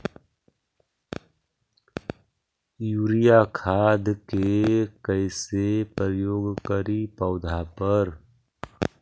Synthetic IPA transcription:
juːɾijakʰaːd̪kekəɪsepɾɾəjoːɡkəɾipəʊd̪ʱapəɾ

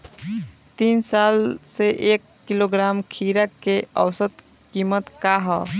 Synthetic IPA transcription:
t̪insalseʔekːiloɡɾamkʰiɾəkeə̰wsət̪ | kimət̪kaɦɔ

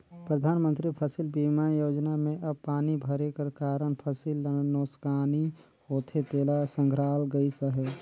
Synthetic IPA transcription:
pɾəd̪ʱaːnmə̃nt̪ɾipʰəsilbimajoːd͡ʒnamẽʔɐbpaːnibʱəɾekəɾkaːɾəɳpʰəsilnoːskaːni | hoːt̪ʰet̪eːlasə̃ŋɡʱɾaːlɡəisəɦɛ

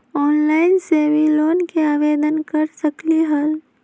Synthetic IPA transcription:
ɔːnlaːɪnsebʱiloːnkeaːʋeːd̪ənkɐɾsɐkliɦəl

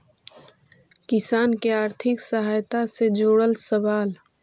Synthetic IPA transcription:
kɪsaːnkeaːɾt̪ʰɪksəɦaːjt̪ased͡ʒoːɽəlsəʋaːl

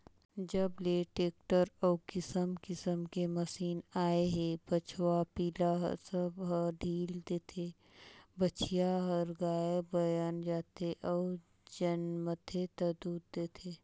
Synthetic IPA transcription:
d͡ʒəbleːʈeːk̚ʈəɾɔːkɪsəmkɪsəmkeməsiːnaːeɦɛbət͡ʃʰwapiːlaɦsəbɦəɖʱiːld̪eːt̪ʰe | bət͡ʃʰijaɦəɾɡaːebɐjaːnd͡ʒaːt̪eʔɔː | d͡ʒənmət̪ʰet̪ɐd̪uːɾd̪eːt̪ʰeː

